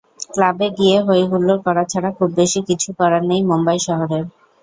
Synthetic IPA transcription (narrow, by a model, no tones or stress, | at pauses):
klabeɡieɦoeɦulːoɾkɔɾat͡ɕʰaɽakʰubːeʃikit͡ɕʰukɔɾaɾnejmombajʃɔɦoɾeɾ